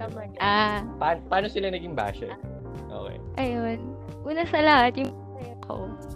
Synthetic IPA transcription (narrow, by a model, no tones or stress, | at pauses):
ɐmɐʔaːpaːnpɐaːnosɪlɐnɐɡɪŋba̰ːʃɛ | ʔo̰ːkɛ̰jʔɐjon | ʔuːnɐsɐlɐhat̪jʊŋɐ | ɛkʰo̰